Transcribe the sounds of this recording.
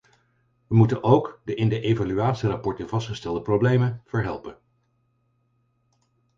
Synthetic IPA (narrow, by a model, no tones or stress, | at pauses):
ʋəmutənʔowkdəʔɪndəʔejvalyaːtsirapɔɹtəvɑstχəstɛlˠdəprowblejmənv̥əɹɦɛlˠpən